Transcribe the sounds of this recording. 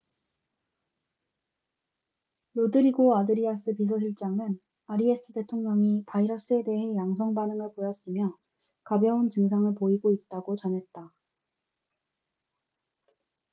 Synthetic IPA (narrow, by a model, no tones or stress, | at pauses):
lodɯɾiɡoadɯɾias͈ʰɯpis̬ʰʌɕʰiɭt͡ɕ͈aŋɯn | aɾie̞s͈ɯte̞tʰoŋɲʌŋipaiɾʌs͈ɯe̞de̞ɦe̞jaŋsʰʌŋbanɯŋɯɭpojʌs͈ɯmjʌ | kabjʌunt͡ɕɯŋs̬ʰaŋɯɭpoiɡoit̚t͈aɡot͡ɕʌnɦe̞t̚t͈a